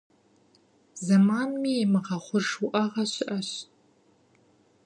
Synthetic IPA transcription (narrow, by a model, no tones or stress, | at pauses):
zɐmaːnmiemɨʁɐχʷʊʂuʔɐʁɐɕɪʔɐɕ